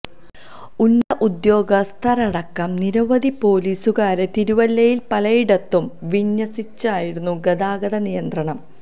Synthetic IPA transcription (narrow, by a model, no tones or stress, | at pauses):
unːɐʔud̪jo̞ːɡɐst̪ʰɐrɐɽɐkːɐmniɾɐʋɐðipo̞ːliːsuɣaːɾet̪iɾuʋɐlːɐjilpɐlɐjiɽɐt̪ːumʋiɲːɐsit͡ɕːaːjiɾunːuɡɐd̪aːɡɐðɐnijɐnd̪ɾrɐɳɐm